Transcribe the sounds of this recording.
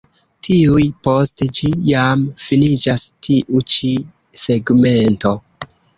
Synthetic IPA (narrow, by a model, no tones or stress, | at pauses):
tʰiujpo̞sted͡ʒijamfinid͡ʒastʰiʔut͡ʃi | seɡme̞nto̞